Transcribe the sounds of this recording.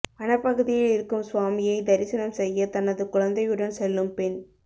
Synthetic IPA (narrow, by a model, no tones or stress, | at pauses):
pɐnɐpːɐɣɯðɪjɪlɪɾɯkːɯmsʋaːmɪjɐɪd̪ɐɾɪsɐnɐmsɛjːɐt̪ɐnɐðɯkʊɻɐnd̪ɐjɯɽɐnsɛlːɯmpɪn